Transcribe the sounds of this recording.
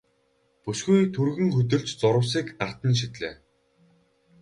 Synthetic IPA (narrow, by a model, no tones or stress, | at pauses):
puʃɡujt̪ʰurɣɵ̆ŋxɵt̪ɵ̆ɮt͡ɕt͡sʊɾə̆ws̬iːkar̥t̪ə̆nʃ̬it̪ɮeː